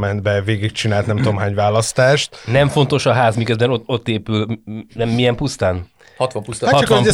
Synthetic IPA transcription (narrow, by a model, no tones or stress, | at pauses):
mɛnd̪bɛveːɡik̚t͡ʃinaːlt̪nɛmt̪oːmɦaːɲvaːlɒst̪aːʃt̪nɛɱfo̞nt̪o̞ʃɒɦaːzmikøzbɛnoo̞t̪ːeːpylnɛmːijɛmpust̪aːn | hɒt̪ʋɒmpust̪ahɒt͡ʃt̪ɒmɛ